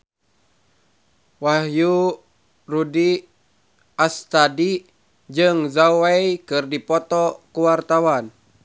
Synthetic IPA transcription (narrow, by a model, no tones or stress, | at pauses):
wahju | rudi | ast̪adi | d͡ʒɨŋzawwɛjkɨrdipɔt̪ɔkuwart̪awan